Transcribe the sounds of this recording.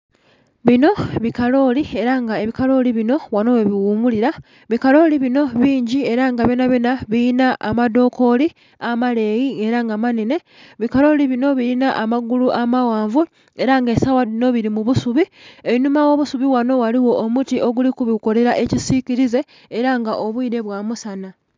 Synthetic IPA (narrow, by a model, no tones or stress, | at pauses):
βino̞βikalo̞lie̞ɾaŋɡae̞βikalo̞liβino̞wano̞weβiwuːmuliɾa | βikalo̞ːliβino̞βiːɲɟie̞ɾaŋɡaβenaβenaβiinaa̰mado̞ko̞li | amale̞jieɾaŋɡamanine̞ | βikalo̞liβino̞βiinaʔamaɡuluʔamawaːɱvu | e̞ɾaŋɡesawaino̞βiɾimuβusuβieβinumawo̞ːβusuβiwano̞waliwo̞ʔːmutiʔoɡulikuβiko̞le̞ɾaʔe̞cisiciɾize̞ː | ɾaŋɡaʔo̞βwuide̞βwaːmusana